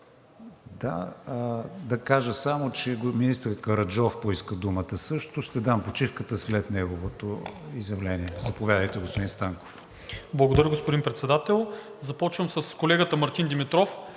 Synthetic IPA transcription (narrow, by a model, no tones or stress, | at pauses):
d̪a̰ | d̪ɐkaʒəsamot͡ʃɛminist̪əɾkɐɾɐd͡ʒɔfpoiskəd̪umət̪əsɤʃt̪ʊʃt̪ɛd̪ampot͡ʃifkət̪əslɛt̪nɛɡovot̪oizjɐvlɛniɛzɐpovʲjad̪əjt̪ɛɡospod̪inst̪aŋko̥f | blˠɐɡod̪ɐɾəɡospod̪inpɾɛt̪sɛd̪at̪ɛlˠ | zɐpɔt͡ʃvəmsəskolɛɡət̪əmɐɾt̪ind̪imit̪ɾɔf